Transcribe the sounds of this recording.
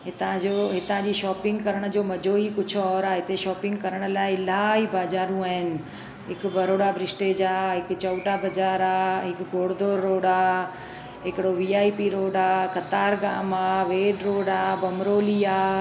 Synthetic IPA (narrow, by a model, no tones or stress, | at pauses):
ɦɪt̪ãd͡ʑoːɦɪt̪ãd͡ʑiːʃɔːpɪ̃ŋɡkɐɾəɽ̃ə̆d͡ʑoːmɐd͡ʑʱoːikʊd͡ʑʰʱɔːɾaɦɪt̪eʃɔːpɪ̃ŋɡkɐɾəɽ̃ə̆laːɪɪlaːibaːd͡ʑaːɾũaːɦɪnɪ̆ | ɦɪkbʱɐɾoːɽabʱɾɪsʈed͡ʑaːɦɪkt͡ɕɐʊʈabɐd͡ʑaːɾaːɦɪkɡʱoːɽd̪oːɾːoːɽaː | ɦɪkɪɽoʋiːaːipiɾoːɖaːkɐt̪aːɾɡaːmaːʋeːɖɾoːɽaːbɐmɾoːliːaː